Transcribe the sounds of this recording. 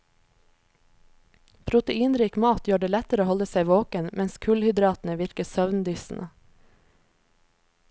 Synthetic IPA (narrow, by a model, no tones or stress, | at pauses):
pʰɾʊt̪əiːnɾiːkmɑːt̪jøːɖeːlɛt̪əɾoːhɔləsæɪʋoːkənmʔɛnskʰʉlhʏd̪ɾɑːt̪n̩əʋɪɾkəsœʋnd̪yːsn̩ʔə